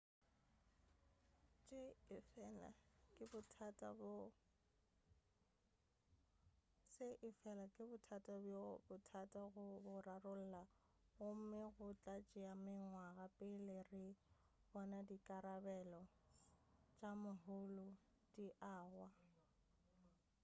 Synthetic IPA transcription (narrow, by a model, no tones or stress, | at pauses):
t͡ʃʼɪɪfɛla̰kʼɪbʊtʰatʼabʊ | sɪʔɪfɛlakʼɪbʊtʰatʼabjobʊtʰatʼaɣʊbʊrarʊl̩la | ɣʊm̩mɪɣʊt͡ɬʼat͡ʃʼɪamɪŋwaɣapʼɪlerɪ | bɔnadikʼaɾabɛlɔ | t͡ʃʼamʊɦʊlʊ | d̥iʔaːɣwa